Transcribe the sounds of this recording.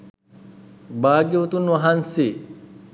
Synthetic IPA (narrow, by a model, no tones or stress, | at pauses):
baːɡiut̪unːʋɐɦɐnsiː